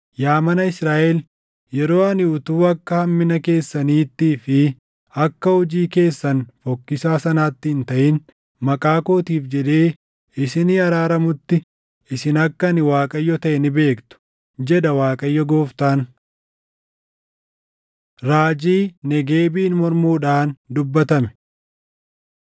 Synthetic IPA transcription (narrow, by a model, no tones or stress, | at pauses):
jaːmɐnɐɪsɾaːʔɛl | jɛɾo̞ːɐnɪʊt̪uːɐkːɐhɐmːɪnɐke̞ːsːɐniːt̪ːiːfɪ | ɐkːɐhɔd͡ʒiːke̞ːsːɐnfɔkːɪsaːsɐnaːt̪ːɪɪnt̪ɐʔɪn | mɐkʼaːko̞ːt̪iːfd͡ʒɛd̪e̞ː | ɪsɪniɐɾaːɾɐmʊt̪ːɪ | ʔɪsɪnɐkːɐnɪwaːkʼɐjːɔt̪ɐʔɛnɪbe̞ːkt̪ʊ̥ | d͡ʒɛd̪ɐwaːkʼɐjːɔɡoːft̪aːn | ɾaːd͡ʒiːnɛɡeːbiːnmɔɾmuːᶑaːnd̪ʊbːɐt̪ɐmɛ̥